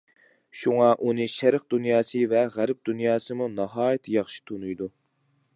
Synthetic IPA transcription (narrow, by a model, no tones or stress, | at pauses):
ʃuŋɑʔunɨʃɛɾəq̚d̪unjɑːsɨvɛʁæɾp̚d̪unjɑːsɨmunɑɦɑːjit̪ʰjɑχʃi̥t̪ʰunujd̪u